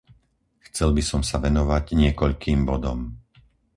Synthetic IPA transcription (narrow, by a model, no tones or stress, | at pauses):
xt͡sɛlbisɔmsaʋɛnɔʋaɟɲɪɛkɔʎkʰiːmbɔd̪ɔm